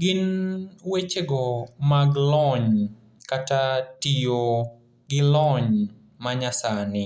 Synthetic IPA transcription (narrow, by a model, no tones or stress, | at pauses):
ɡɪnwet͡ʃeɡɔmaɡlɔɲ | katatijo | ɡɪlɔɲ | maɲasanɪ